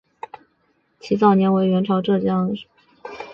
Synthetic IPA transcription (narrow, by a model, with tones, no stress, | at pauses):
t͡ɕʰi˧˥t͡sɑ˥˩ʊnjɛ˧˥nwe˧˥ɪɥɛ˧˥nʈ͡ʂʰɑ˧˥ʊʈ͡ʂɤ˥˩t͡ɕjɑ˥ŋʂ